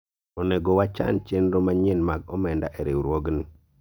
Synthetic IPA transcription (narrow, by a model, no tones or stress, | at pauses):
ɔneɡowat͡ʃa̰nt͡ʃenɾomaɲɪnmaɡɔmɛndaʔeɾewɾwoɡni